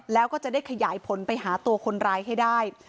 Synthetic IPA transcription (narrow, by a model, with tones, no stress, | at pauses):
lɛː˦˥wkɔː˥˩t͡ɕa˨˩ʔdaː˥˩jkʰa˧jaː˨˩˦jpʰo˨˩˦npa˧jɦaː˩˦t̪u˧ɐkʰo˧nɾaː˧jɦa˥˩jdaː˥˩j